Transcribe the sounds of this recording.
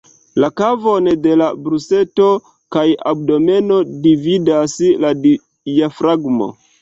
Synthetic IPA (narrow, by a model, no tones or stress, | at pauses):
lakavonde̞labɾuse̞to | kajab̚do̞me̞no̞dividasladi | jafɾaɡmo̰